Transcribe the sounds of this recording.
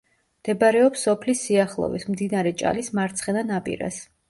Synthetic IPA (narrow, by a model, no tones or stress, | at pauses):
md̪̥ɛbɾɛɔpsːɔpʰlisːiaχlˠɔ̰vḭsmd̪inaɾɛt͡ʃʼa̰lismaɾt̪sʰχɛnanapʼḭɾa̰s